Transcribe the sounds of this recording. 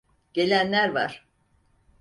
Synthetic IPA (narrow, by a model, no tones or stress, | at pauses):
ɟ̥e̞lʲænlʲæɾva̰ɾ̥